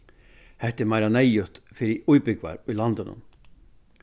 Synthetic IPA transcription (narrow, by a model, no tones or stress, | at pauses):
hɛht̪ːɪmajɾanɛjʏht̪fɪɾɪujpʏkva̰ɾʊjlant̪ɪnʔʊ̰m